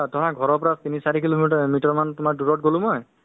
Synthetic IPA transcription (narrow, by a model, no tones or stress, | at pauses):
tɔɦaɡʱɔɹɔɹpɔɹat̪inisaɹikilomitɔɹmantʊmaɹduɹɔt̚ɡolʊ̃mɔj